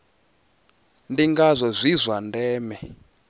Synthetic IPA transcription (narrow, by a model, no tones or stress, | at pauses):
ndiŋɡazʷɔzʷizʷandɛːmɛ